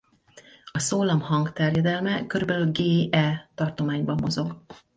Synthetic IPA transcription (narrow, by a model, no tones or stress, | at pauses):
ɒsoːlɒmhɒŋɡt̪ɛrjɛd̪ɛlmɛkø̞ɾybɛlylɡeːʔɛlt̪ɒrt̪o̞maːɲbɒmːo̞zo̞ɡ